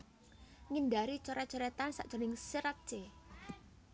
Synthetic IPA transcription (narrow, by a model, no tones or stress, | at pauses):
ŋindaɾit͡ʃɔɾɛt͡ʃɔɾɛt̪ansa̰ʔd͡ʒ̥ɔ̤nɪŋsiɾat̪̚t͡ʃe